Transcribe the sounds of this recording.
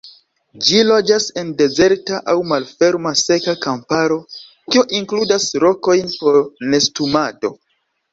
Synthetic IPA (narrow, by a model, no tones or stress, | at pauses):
d͡ʒilo̞d͡ʒase̞nde̞ze̞ɾtaʔawmalfe̞ɾmase̞kakampaɾo̞ | kioʔiŋkludasɾo̞ko̞jnpo̞ɾne̞stumado̞